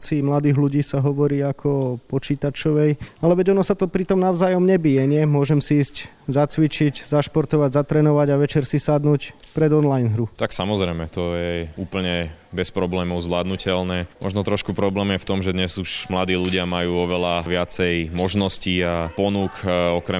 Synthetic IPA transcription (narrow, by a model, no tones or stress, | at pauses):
t͡simlad̪iːɣluɟiːsaɦɔʋɔɾiːakʰɔpɔt͡ʃiːt̪at͡ʃɔʋɛjalɛʋɛɟɔnɔsat̪ɔpɾit̪ɔmnaʊzaːjɔmɲɛbiːjɛɲɪɛmʊɔʒɛmsiiːsc | zat͡sʋit͡ʃiɟzaʃpɔɾt̪ɔʋaɟzat̪ɾɛːnɔʋaɟaʋɛt͡ʃɛɾsisad̪nuːcpɾɛd̪ɔnlajnɦɾut̪aksamɔzɾɛjmɛt̪ɔjɛuːpl̩ɲɛbɛspɾɔblɛːmɔʊzʋlaːd̪nucɛlnɛːmɔ̰ʒnɔt̪ɾɔʃkupɾɔblɛːmjɛft̪ɔmʒɛd̪ɲɛzuʒmlad̪iːluɟɪamajuːɔʋɛlaʋɪat͡sɛjmɔʒnɔsciːapɔnukɔkɾɛ